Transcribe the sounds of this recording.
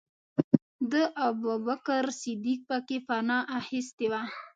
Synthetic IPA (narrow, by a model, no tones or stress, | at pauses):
d̪əʔababakəɾsɪd̪ik̚pəkefanɑʔahɪst̪ewa